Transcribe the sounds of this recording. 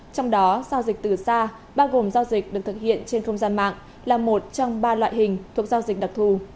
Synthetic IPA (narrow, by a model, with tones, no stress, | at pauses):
t͡ɕɔ˧wŋ͡mɗɔ˨˦zaː˧wzi˨˩k̚t̪ɨ˨˩saː˧ | ɓaː˧wɣo˨˩mzaː˧wzï˨˩k̚ɗɨ˨˩k̚t̪ɨ˨˩k̚hḭ˧˨ənt͡ɕe˧nxə˧wŋ͡mzaː˧nma̰ː˧˨ŋ | laː˨˩mo˨˩t̚t͡ɕɔ˧wŋ͡mɓaː˧lwa̰ː˧˨jɦï˨˩ŋ̟t̪ʰu˨˩ək̚zaː˧wzi˨˩k̟̚ɗa˨˩k̚t̪ʰu˨˩